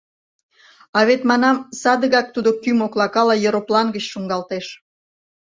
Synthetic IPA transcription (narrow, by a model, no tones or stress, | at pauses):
ɑβet̪mɑnɑmsɑd̪əɣɑk̚t̪ud̪okymoklɑkɑlɑjeɾoplɑnɡət͡ɕʃuŋɡɑlt̪eʃ